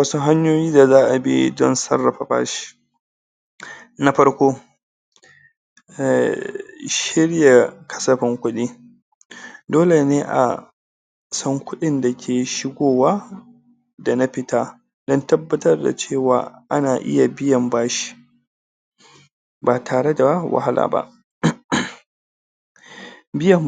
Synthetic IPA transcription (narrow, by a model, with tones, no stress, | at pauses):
wɐ˦su˦ɦa˦ɲjoː˦jiː˦da˨zaː˦ʔa˨bḭ˦dɔ˦nsɐ˦rːɐ˨ɸa̰˨ɸa̰ː˦ʃi̥˦ | na˦ɸɐ˦ɽkʷoː˦˨ | ʃɪ˦ɽja˨kɐ̥˦sɐ˦ɸɪ˨ŋkʷʊ˦ɗiː˦ | doː˦le˨neː˦ʔa̰˨ | sɐ˦ŋkʷʊ˦ɗɪ˦nda˨kʲʰeː˨ʃɪ˦ɡʷoː˨waː˦ | da˨na˦ɸɪ˦taː˦ | dɔ˦ntɐ˦bːɐ˦tɐ˦rda̰˨t͡ʃeː˦˨wa̰ː˨ʔa˦naː˨ʔɪ̰˦ja˨bɪ˦jɐ˨mbaː˦ʃi̥˨ | baː˨tʰaː˨ɽe˦da˨wa̰˨ha˦lʔa̰ː˨ba̰˦ʔ | bɪ˦jɐ˨m